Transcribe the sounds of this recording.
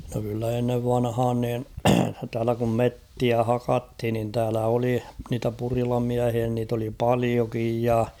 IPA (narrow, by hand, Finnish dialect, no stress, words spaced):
no kylːæ enːeʋ ʋɑnhɑːn niːn tæːlæ kum metːiæ hɑkɑthin nin tæːlæ oli niːtæ purilɑmiæhiæ niːt oli pɑliokij jɑ